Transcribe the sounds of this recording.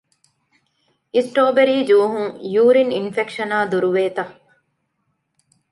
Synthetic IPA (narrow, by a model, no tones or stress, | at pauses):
isʈoːbeɾiːd͡ʒuːɦuŋjuːɾininfekʃɐnaːd̪uɾuʋeːt̪ɐ